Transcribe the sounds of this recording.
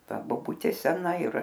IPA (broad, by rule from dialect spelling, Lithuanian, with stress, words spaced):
ˈtɐ boːˈbʊtʲeː ˈsʲæːnɐ ɪr